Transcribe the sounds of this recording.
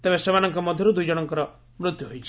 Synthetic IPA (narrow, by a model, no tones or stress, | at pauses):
t̪ebesebañɔŋkɔmɔd̪ʱjɔɾud̪ujd͡ʒɔɽ̃ɔŋkɔɾɔ | mɾut̪juɦojt͡ʃʰi